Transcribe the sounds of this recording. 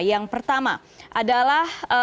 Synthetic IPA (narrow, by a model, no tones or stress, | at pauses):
jaŋpərt̪ama | ʔadalahə